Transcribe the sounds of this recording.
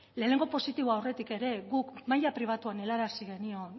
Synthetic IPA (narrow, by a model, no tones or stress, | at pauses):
le̞ːne̞ŋɡo̞po̞sit̪iβoawre̞t̪ike̞ɾe̞ɣukmajapɾiβ̞at̪uane̞laɾasiɣ̞e̞nio̞n